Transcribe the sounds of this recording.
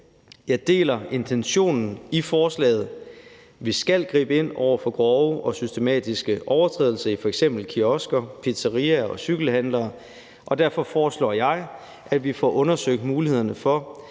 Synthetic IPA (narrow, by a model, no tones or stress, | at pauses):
jɑ̈ɪd̥e̝̰ːlɐʔe̝nt͡sʰenɕo̝̰ːnn̩ifɒːslɛ̰ːð̞̩ˠ | ʋisɡ̥ælɡ̥ʁḭːb̥əe̝n̰ɒ̰ʊ̰ɐfɒ̽ɡ̥ʁɒʊəʔɒ̽sysd̥e̝mɛ̰ːd̥isɡ̥əʔɒʊɐt͡sʰʁɛ̰ðˠl̩sɐifɒ̽eɡ̥sem̰b̥l̩kʰiɒsɡ̥ɐpʰe̝d̥sɐʁiæɒ̽syɡ̥l̩hænlɐː | ʔɒ̽d̥æɐ̰fɒ̽fɒːslɒ̰ːjɑ̈ɪ | ʔæd̥ʋifɒ̰ʔɔ̽nɐsøɡ̥̚d̥muːlihe̝ð̰ˠɐnəfɒ̽